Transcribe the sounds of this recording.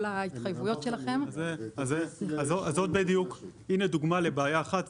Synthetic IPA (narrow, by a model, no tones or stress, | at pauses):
lait̪χajvujo̞tʃe̞laχe̞mzeazeazoazo̞t̪̚bed̪ijukined̪uɡmale̞beːjaːχat̪